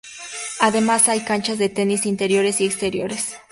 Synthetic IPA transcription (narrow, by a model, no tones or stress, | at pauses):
aðe̞masajkant͡ʃazðe̞t̪e̞nisint̪e̞ɾjo̞ɾe̞siekst̪e̞ɾjo̞̰ɾe̞s